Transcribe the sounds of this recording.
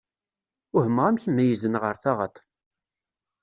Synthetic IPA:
ʊhəmːʁæmθəmːæjəzənʁəɾθaʁə̰t̪

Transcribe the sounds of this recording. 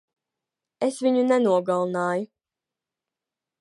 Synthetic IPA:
esviɲunɛnuɔɡalˠnaːju

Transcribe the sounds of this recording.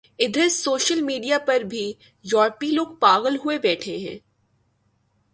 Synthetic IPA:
ɪd̪ʱəsoːʃəlmiːɖijapɐɾbʱi | jɔːɾpiloːɡ̚paːɣəlɦuebɛːʈʰeɦɛ̰̃ː

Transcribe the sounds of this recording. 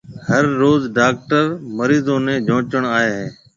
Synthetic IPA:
həɾːoːzɖaːk̚ʈəɾməɾiːzõːnẽːd͡ʒʱõːt͡ʃəɳ̃aːɦeːɦẽː

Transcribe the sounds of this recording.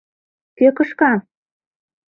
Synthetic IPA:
køkɤ̆ʃkɑ

